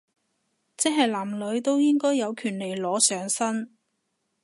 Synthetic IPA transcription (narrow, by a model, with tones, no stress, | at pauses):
t͡sɛ˥ɦɐ˨jlaː˨˩mlɵ˨˧ɥt̪o˥wjɪ˥ŋkɔː˥jːɐ˨˧wkʰyː˨˩nle˨˩jlɔː˨˥sœː˨˥ŋsɐ˥n